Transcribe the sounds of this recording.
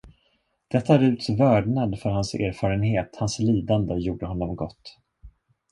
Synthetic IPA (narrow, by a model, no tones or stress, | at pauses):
d̪̥ɛt̪ːaɾʉ̟ːt̪vœːɖɳad̪fœɾhansḛːɾfɑːɾənheːt̪hansliːd̪and̪əjuːɖəɦɔnːɔmɡɔ̰t̪ː